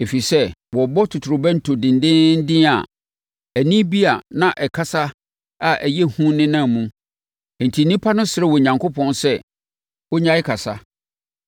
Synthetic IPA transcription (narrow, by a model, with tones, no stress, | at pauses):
e˨fi˨sɛ˦wɔ˨bɔ˦tʰʊ˨tʰʊ˨ɾʊ˨bɛ˦n̩˨tʰʊ˨dɪ̃˨ndɪ̃˦n̩˦dɪ̃˦a̰˨ | æ˨nĩ˦bi˦a˨nã˦˨ʔɛ˨kʰa˦sa˦ | a˨ʔæ˨jɛ˦hũ˦nɪ̃˦nã˦˨mũ˦˨ | n̩˨tʰi˨nĩ˦pʰa˦nʊ̃˦sɪ˨ɾɛ˦wɔ˨ɲã˨ŋkʰo˦pʰɔ̃˦nsɛ˦ | wɔ˦ɲã˨˦ɪ˦kʰa˨sa̰˦